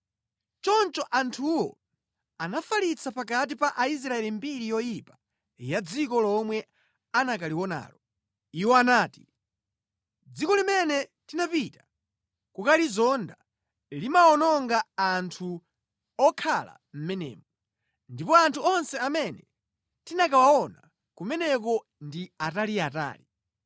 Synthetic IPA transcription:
t͡ʃɔnt͡ʃɔʔantʰuwɔ̰ | anafalit͡sʰapak̬at̬ipaʔais̬ɾaɛlimbiɾijɔjipḁ | jad͡zikɔlɔmwɛ | anakaliwɔna̰ːlɔ | iwɔanaːti̥ | d͡zikɔlimɛnɛtinapitḁ | kukalizɔnda | limaɔnɔŋɡaantʰu | ɔkʰala̰ | m̩mɛnɛ̰ːmɔ | ndipɔantʰuɔnsɛamɛnɛ | tinakawaɔna | kumɛnɛk̬ɔ | ndiataliata̰ːli

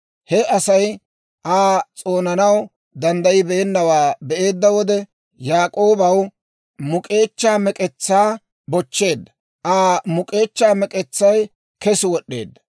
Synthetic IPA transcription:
hɛɐsɐj | ʔaːt͡sʼoːnɐnɐw | d̪ɐnd̪ɐjɪbɛɛnːɐwaːbɛʔe̞ːd̪ːɐwɔd̪ɛ | jaːkʼo̞ːbɐw | mʊkʼe̞ːt͡ʃːaːmɛkʼɛt͡sːaː | bɔt͡ʃːe̞ːd̪ːɐ | ʔaːmʊkʼe̞ːt͡ʃːaːmɛkʼɛt͡sːɐj | kɛsɪwɔɗːe̞̰ːd̪ːɐ̥

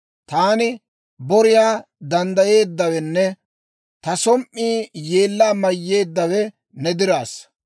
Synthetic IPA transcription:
t̪aːnɪ | bɔɾɪjaː | d̪ɐnd̪ɐje̞ːd̪ːɐwɛnːɛ | t̪ɐsɔmʔːiːje̞ːlːaːmɐjːe̞ːd̪ːɐwɛ | nɛd̪ɪɾaːs

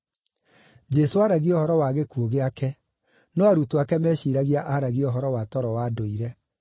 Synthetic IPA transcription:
d͡ʒɛsoaɾaɣiɔhɔɾɔwaɣekuoɣeakɛ | nɔaɾutoakɛmɛɕiɾaɣiaʔaɾaɣiɔɦɔɾɔwatɔɾɔwadoiɾɛ

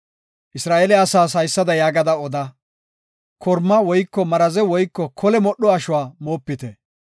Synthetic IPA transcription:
ʔɪsɾaːʔelɛɐsaːs̬ɐjsːɐd̪ɐjaːɡɐd̪ɐɔd̪ɐ | kʰɔɾmːɐwɔjkːɔmɐɾɐzɛwɔjkːɔkʰɔlɛmɔɗɔɐʃʊwaːmoːpːɪt̪ɛ

